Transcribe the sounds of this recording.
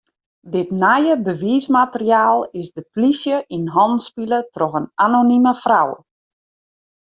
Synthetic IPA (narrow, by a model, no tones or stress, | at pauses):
dɪtnajəbəʋiːsmatəriaːlˠɪsdəplisjəʔinɦɔnspilətroxənanoniməfraw